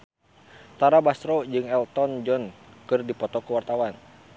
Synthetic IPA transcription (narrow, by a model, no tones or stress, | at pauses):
t̪aɾabasɾɔd͡ʒɨŋɛlt̪ɔnd͡ʒɔn | kɨrdipɔt̪ɔkuwart̪awan